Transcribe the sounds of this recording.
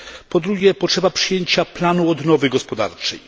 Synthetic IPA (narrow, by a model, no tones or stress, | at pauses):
pɔd̪ɾuɡʲjɛpɔtʂɛbapʂɘjeɲt͡ɕaplanuɔd̪nɔvɘɡɔspɔd̪a̰ɾt͡ʂɛ̰j